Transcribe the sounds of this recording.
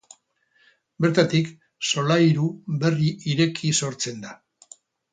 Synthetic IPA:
be̞ɾt̪at̪ik | so̞lajɾube̞riʔiɾe̞kʰiso̞ɾt͡se̞nd̪a

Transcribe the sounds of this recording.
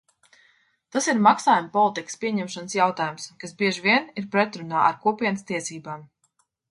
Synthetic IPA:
t̪asiɾmaksaːjumpɔlˠit̪ikə̥spʲiɛɲɛmʃanəsjawt̪aːjumskasbʲiɛʒvʲiɛniɾpɾɛt̪ɾunaːʔa̰ɾkuɔpʲiɛnəst̪iɛsiːbaːm

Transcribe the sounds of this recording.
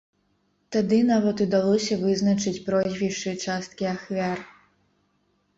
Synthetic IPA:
t̪ad̪ɨnavɐt̪ud̪alˠɔsʲɐvɨznɐt͡ʂɨt͡sʲpɾɔzʲvʲiʂt͡ʂɨt͡ʂast̪kʲiaxvʲar

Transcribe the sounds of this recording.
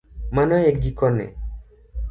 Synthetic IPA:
manɔek̚ɡikɔnɛ̰

